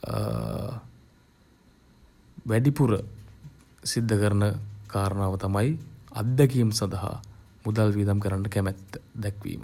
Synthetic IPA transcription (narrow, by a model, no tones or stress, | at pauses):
ʋæɖipuɾə̰ | sid̪ʱːəkəɾənəkaːɾənaːʋət̪amajɐ̰d̪jakijəmsand̪ɐɦa̰ | mud̪alʋiːd̪amkəɾaɳɖəkæmɛt̪ːd̪ɛkʋḭːmʔə̰